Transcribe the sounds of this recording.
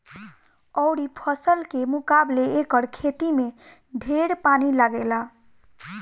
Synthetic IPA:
ɔʊɽipʰəsəlkemukableːkəɾkʰet̪ime | ɖʱeɾpanilaɡela

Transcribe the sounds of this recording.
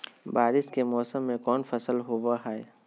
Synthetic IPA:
baːɾɪskemɔːsəmːẽkɔːnfɐsəlɦowaɦɛe

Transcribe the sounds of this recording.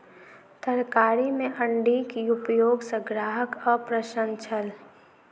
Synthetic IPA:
t̪əɾkaːɾimẽʔəɳɖikiʊpjoːɡsə̃ɡɾaːɦəkɔːɾpɾəʃə̃nt͡ʃʰəl

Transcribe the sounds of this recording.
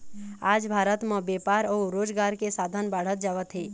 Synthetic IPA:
aːd͡ʒbʱaːɾət̪mə̃beːpaːɾɔːɾoːd͡ʒɡaːɾkesaːd̪ʱənbaːɽ̤ət̪̚d͡ʒaːʋət̪ɦeː

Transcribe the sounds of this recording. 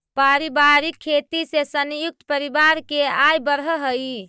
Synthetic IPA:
paɾibaɾikʰːet̪isesənjuk̚t̪əpəɾibaɾkeajbəɾɦəɦəj

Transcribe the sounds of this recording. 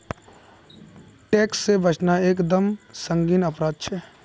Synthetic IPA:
ʈeːksːebʱət͡ʃʰnaeːkd̪əmsə̃ŋɡiːnəpɾaːd̪̚t͡ʃʰɛː

